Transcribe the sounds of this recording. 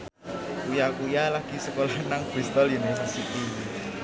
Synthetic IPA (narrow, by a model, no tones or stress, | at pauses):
kujakujalaɡ̥isəkolanaŋb̥ɾist̪ɔljunesisiʔiwi